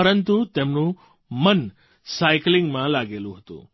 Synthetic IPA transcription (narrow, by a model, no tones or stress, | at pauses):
ɐɾənt̪ut̪eːmnũ | mɐn | saːɪklɪ̃ŋɡmãlaːɡeːluɦɐt̪o̰ː